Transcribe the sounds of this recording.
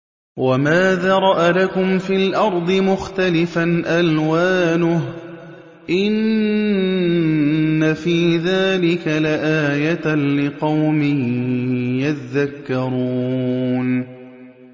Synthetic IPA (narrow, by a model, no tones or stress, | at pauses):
wamaːðaːɾˤɑʔalakʊmfiːlʔɑɾˤd̪ˤɨmʊxt̪alɪfanʔalwaːnʊh | ʔɪn | afiːðaːlɪkalaʔaːjat̪lɪqɑwmɪ | jat̪ðakːɑɾuːn